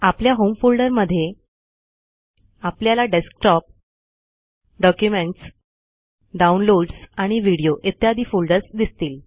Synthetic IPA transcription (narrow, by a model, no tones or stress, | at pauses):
apljaɦomfulɖəɾməd̪ʱːje | apljalaɖesk̚ʈɔp̚ | ɖɔkjumeɳʈs | ɖaunloɽsaɽ̃iʋiɽijoʔet̪ːiɦad̪ʱiːfolɖəɾt͡sd̪ist̪iːl